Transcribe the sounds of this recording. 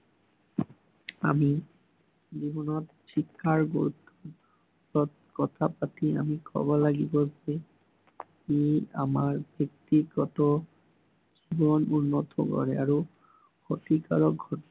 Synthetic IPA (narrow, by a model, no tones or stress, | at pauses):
a̰mi | d͡ʑibɔnɔt̪ | ʃikʰːaɾ | kɔt̪ʰapat̪ia̰mikɔ̰bolaɡibod͡ʑe | kia̰maɾbʱek̚t̪iɡɔt̪o | d͡ʑibonunːot̪o̰kɔ̰ɾeaɾo | hot̪ika̰ɾok̚ɡʱɔʈɔna